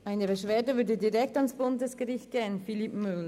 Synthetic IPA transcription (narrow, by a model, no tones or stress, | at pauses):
ʔaɪnəbəʃv̥eːɐdəvʏɐdədiʁɛktansb̥ʊndəsɡ̥əʁɪçt̚ɡ̥eːənfilipmʏl